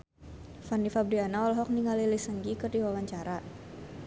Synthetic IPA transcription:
fanifab̚dianaalɦɔk̚niŋalilisəŋɡikərdiwawaɲt͡ʃaɾa

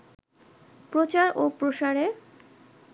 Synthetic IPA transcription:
pɾot͡ɕaɾopɾoʃaɾe

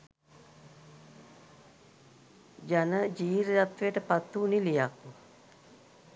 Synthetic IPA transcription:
d͡ʒanəd͡ʒiːɾjat̪ʋejəʈəpat̪ːunilijakːu

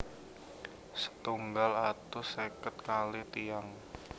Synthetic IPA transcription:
sə̥t̪uŋɡalat̪usekət̪̚kalit̪ijaŋ

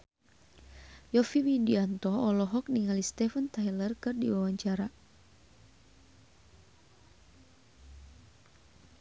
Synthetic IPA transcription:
jɔfiwidiant̪ɔɔlɔɦɔk̚niŋalist̪ɛfənt̪ajlərkɨrdḭwawaɲt͡ʃaɾa

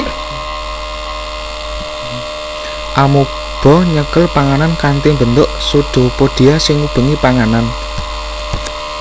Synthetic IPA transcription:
ʔamu | b̥ɔ̤ɲəkəlpaŋanankant̪imbənt̪ʊʔsuɖ̪̥o̤pod̥i̤asɪŋub̥ə̤ŋipaŋanan

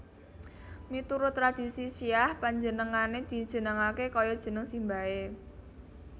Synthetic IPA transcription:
mit̪uɾʊt̪ːɾad̪̥i̤sisiahpaɲd͡ʒənəŋaned̪̥i̤d̥ʒ̥ə̤nəŋakekɔjɔd̥ʒ̥ə̤nəŋsimbae

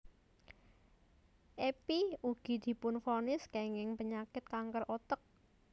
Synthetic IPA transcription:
ʔepiuɡ̥i̤d̪̥i̤pʊnfonɪskeŋɪŋpəɲakɪt̪̚kaŋkərɔt̪ək̚

